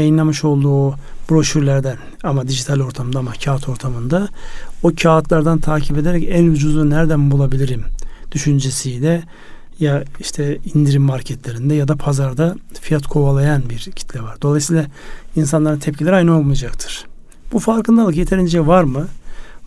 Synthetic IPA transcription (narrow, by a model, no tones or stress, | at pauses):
jajɯnlˠamɯʃo̞lˠd̪uːob̥ɾo̞ʃyɾlʲæɾd̪æn | amad̪iʒit̪ʰalʲo̞ɾt̪ʰamɯnd̪amacʰaːt̪ʰo̞ɾt̪ʰamɯnd̪aocʰaːt̪ʰlˠaɾd̪ant̪ʰaːcʰiped̪eɾɛcænjud͡ʒuzˠanæɾd̪ænbulˠabilʲiɾimd̪̥yʃynd͡ʒesijd̪ʲɛ | jaiʃt̪ʰɛind̪iɾimːaɾcʰɛt̪ʰlʲe̞ɾind̪ɛjad̪apʰazaɾd̪afijat̪kʰo̞valˠajanbiɾcʰi̥t̪ʰlʲɛvaɾd̪o̞lˠajsiːlˠainsanlˠaɾɯnt̪ʰɛp̚cʰilʲeɾiajnaolˠmujad͡ʒakt̪ʰɯ̥ɾ̥ | b̥ufaɾkʰɯnd̪alˠɯkjet̪ʰe̞ɾind͡ʒɛvaɾmɯ